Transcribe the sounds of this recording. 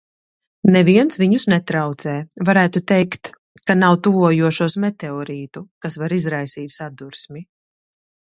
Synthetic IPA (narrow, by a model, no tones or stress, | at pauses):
nɛviɛnsviɲusnɛt̪ɾawt̪sɛːvaɾæːt̪ut̪ɛjkt̪ | kanawt̪uvuɔjuɔʃuɔsmɛt̪ɛɔɾiːt̪ukasvaɾizɾajsiːt̪ʲsad̪uɾsmi